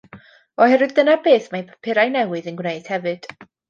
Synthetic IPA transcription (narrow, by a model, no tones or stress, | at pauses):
ɔhɛɾɨðdənabeːθmapʰḁpʰɪɾajnɛwɨðənɡwneɨd̥hɛvɨd̥